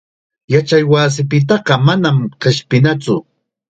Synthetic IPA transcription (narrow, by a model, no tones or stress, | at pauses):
jat͡ʃajwaːs̬ɪpɪt̪ɑɢɑmanamqeʃpɪnat͡sʊ